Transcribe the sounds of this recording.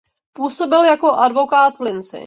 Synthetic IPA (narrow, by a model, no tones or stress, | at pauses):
puːso̞bɪljako̞ʔadvo̞kaːt̪vlɪnt͡sɪ̰